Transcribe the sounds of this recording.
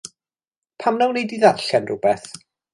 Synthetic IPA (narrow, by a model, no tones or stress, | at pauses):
pʰamnawnejdiðarɬanrʊbɛθ